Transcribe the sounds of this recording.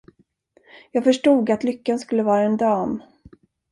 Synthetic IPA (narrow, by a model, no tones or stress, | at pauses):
jɑːɡfœʂʈuːɡat̪lʏkːanskɵlːəvɑːɾaɛnd̪ɑːm